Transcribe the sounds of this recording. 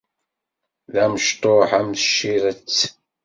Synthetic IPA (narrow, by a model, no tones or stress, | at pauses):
ðæməʃt̪ˤoħæmθəʃːiɾət͡sː